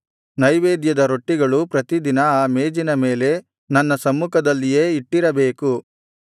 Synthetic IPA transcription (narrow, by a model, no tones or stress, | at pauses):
nɐjʋeːd̪jɐd̪ɐɾo̞ʈːiɡɐɭupɾɐt̪id̪inɐaːmeːd͡ʒinɐme̞ːle̞ | nɐnːɐsɐmːukɐd̪ɐlːije̞ːiʈːiɾɐbe̞ːku